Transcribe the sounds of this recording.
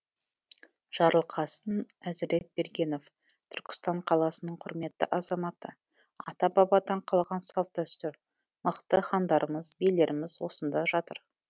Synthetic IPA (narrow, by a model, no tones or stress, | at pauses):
ʒ̥ɑɾəlˠqʰɑsənæzɪɾe̞t̪̚be̞ɾɡʲe̞no̞f | t̪ʰʏɾkʲɪ̥st̪ɑɴqʰɑlˠɑsənəɴqʰʊɾme̞t̪ːɪ̰ʔɑzɑmɑt̪ə | ɑ̰t̪ɑbɑbɑd̪ɑɴqʰɑlˠʁɑnsɑlˠt̪ːæst̪ʏɾ | məqt̪əχɑnd̪ɑɾəməzbele̞ɾɪmɪzwo̞sənd̪ɑʒɑt̪əɾ